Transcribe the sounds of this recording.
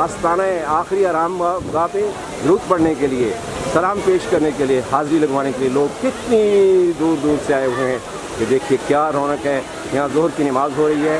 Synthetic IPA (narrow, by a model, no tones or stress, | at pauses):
aːst̪aːnaẽaːxɾiaːɾaːmɡaːp̪ẽ | ɾuːt̪bɐɽ̤nekelie | sɐlaːmpeːʃkɐɾnekelieɦaːzɾilɐɡʋaːnekelieloːɡ̚kɪt̪nid̪uːɾd̪uːɾseaːeʊɦẽɦɛ̃ | ked̪eːkʰiekjaːɾoːnəkɦɛː | jɐɦãzoɦɾkinɪmaːzɦoɾɐɦiɦɛː